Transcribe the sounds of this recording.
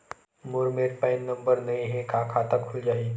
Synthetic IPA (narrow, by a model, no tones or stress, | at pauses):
mʊɾmeːɾpãɪnːɐ̃mbəɾnɐɦĩɦɛkʰãːkʰaːt̪akʰʊld͡ʒaːi